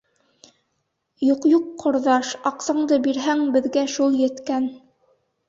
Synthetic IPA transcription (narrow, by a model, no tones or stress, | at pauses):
juqjuqːŏɾðɑʃɑqsɑɴd̪ɤbiɾɦæŋbɘ̆ðɡæʃulˠjɘ̆t̪kæn